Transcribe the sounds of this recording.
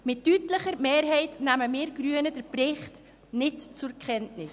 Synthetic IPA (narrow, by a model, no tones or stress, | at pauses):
mɪtːytləχəɾmeːɾɦɛɪtnæməmɪːɾɡ̥ɾyənəd̥əɾpɾɪχt | nɪtt͡sʊɾkʰχɛntnɪs